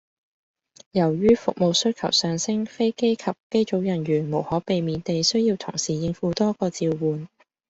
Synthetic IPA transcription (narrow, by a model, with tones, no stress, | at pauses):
jɐ˨˩wjyː˥fʊ˨k̚mo˨˧wsɵ˥ɥkʰɐ̰˨˩wsœː˨˧ŋsɪ˥ŋfe˥jke˥jkʰɐ˨p̚ke˥jt͡so˨˥wjɐ˨˩nɥyː˨˩nmo˨˩whɔː˨˥pe˨˧jmiː˨˧nt̪e˨jsɵ˥ɥjiː˧wt̪ʰʊ̰˨˩ŋsiː˨˩jɪ˧ŋfuː˨˧t̪ɔː˥kɔː˧t͡siː˧wwuː˨n